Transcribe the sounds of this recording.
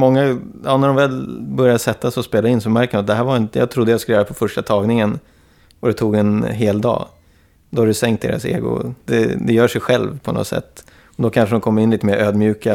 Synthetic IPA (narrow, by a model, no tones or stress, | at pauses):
mɔŋːajɑːnæɖɔmvɛlbœɾjad̪əsɛt̪ːasɔspeːlaɪnsɔmæɾkəmat̪̚d̪ɛɦæːɾvaɾɪnt̪əjɑ̰ːt̪ʰɾʊd̪ːəjaskɵljːɾəpʰɔfœʂʈat̪ʰɑːɡnɪŋən | ɔd̪ɛt̪ʰuːɡɛnɦeːld̪ɑ̰ː | d̪ɔhaɾdɵsɛŋkt̪̚d̪ḛːɾa̰sḛːɡʊ̰d̪ɛ̰d̪ɛjœːʂɛjɧɛlvpʰɔnɔ̰t̪sɛ̰t̪ː | ɔd̪ɔkʰanʂəd̪ɔmkʰɔmːəɾɪnliːt̪əmeːɾʔøːd̪mjʉ̟ːka